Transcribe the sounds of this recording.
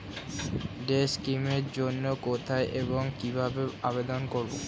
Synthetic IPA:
ɖeskimeɾd͡ʑonːokot̪ʰaeʔeboŋkibʱabeabed̪onkoɾbo̰

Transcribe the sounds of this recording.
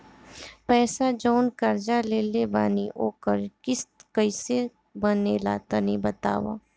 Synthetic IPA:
pɛːsad͡ʒɔːnkɐɾd͡ʒaleːlebaːniʔoːkəɾkɪskəise | bəneːla̰t̪ənibət̪a̰ːwa̰ː

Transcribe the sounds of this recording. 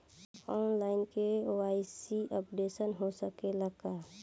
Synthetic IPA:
ɔːnlaːɪnkeoaːisiʔəpɖesənɦosəkeləɡaː

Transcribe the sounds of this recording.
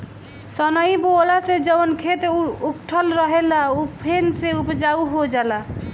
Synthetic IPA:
sənəibolased͡ʒəwnkʰet̪ukʈʰəlɾəɦelaupʰenseupd͡ʒauɦod͡ʒala

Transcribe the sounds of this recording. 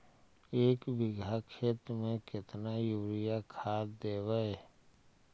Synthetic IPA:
eːkbɪɡʱakʰeːt̪ɾəmẽkɪt̪najuːɾɪjakʰaːd̪eːwəe

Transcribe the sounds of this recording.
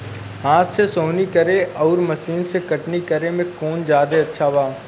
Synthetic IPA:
ɦãːt̪sesoːnikɐɾeɔːɾmɐsiːnsekɐʈnikɐɾemẽkoːnd͡ʒjaːd̪eɐtːʃʰaːʋaː

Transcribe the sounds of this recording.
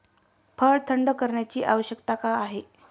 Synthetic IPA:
pʰəɭt̪ʰəɳɖəkəɾɳjat͡ɕiːʔaʋəɕjəkt̪akaːɦe

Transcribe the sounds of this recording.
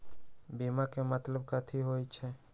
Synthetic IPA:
bimakemət̪ləbkat̪ʰiɦojt͡ʃʰɛ

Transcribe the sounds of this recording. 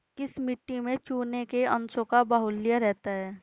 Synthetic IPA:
kɪsmɪʈːimẽt͡ʃuːnekeɐ̃nsõkabaɦʊlːijaɾɛɦt̪aɦɛː

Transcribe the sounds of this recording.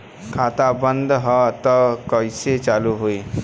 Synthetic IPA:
kʰaːt̪abə̃nd̪ɦɔt̪ɔkəɪset͡ʃaːluɦoi

